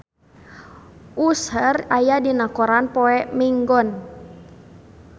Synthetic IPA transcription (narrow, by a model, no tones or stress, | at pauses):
ʔusərajadinakɔɾanpɔɛmiŋɡɔn